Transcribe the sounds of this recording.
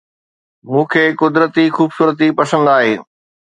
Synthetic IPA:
mũːkʰeːkʊd̪ɾət̪ixuːbsuːɾət̪̬ipɐsə̃nd̪aːɦeː

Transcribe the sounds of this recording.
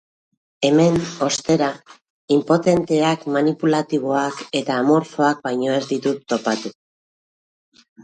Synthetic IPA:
e̞me̞no̞st̪e̞ɾa | impo̞t̪e̞nt̪e̞akmanipulat̪iβ̞o̞ake̞t̪aːmo̞ɾfo̞ak̚bajɲo̞e̞zd̪it̪ut̪ːo̞pat̪u

